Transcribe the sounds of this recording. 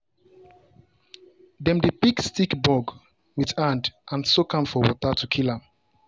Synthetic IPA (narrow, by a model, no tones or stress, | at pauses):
dɛ̃mdepikstikbɔɡ | wiðãndʔãnsokãmfɔwɔ̰tatukʰilãm